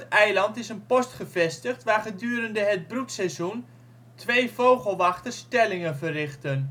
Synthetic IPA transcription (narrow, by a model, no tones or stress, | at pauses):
tɛjlɑntɪsənpɔstχəvɛstəχtʋaːrχədyːɾəndəɦəd̚bruksɛzun | tʰʋejvowχəlˠʋɑχtərstɛlɪŋənvərɪχtən